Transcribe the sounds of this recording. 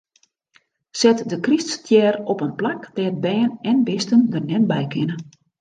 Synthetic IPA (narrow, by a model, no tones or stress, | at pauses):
sɛtdəkriststʰjɛːrɔpənplakdɛət̚bɛːnɛnbɪstəndərnɛt̚bɛjkʰɪnə